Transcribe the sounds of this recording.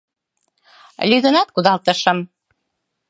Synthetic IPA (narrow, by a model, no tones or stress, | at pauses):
lʲyd̪ə̆nɑt̪̚kud̪ɑlt̪əʃə̆m